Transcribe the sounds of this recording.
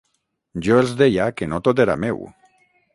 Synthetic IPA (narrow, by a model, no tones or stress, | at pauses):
ʒoelzd̪ejakenot̪ot̪eɾa̰mḛw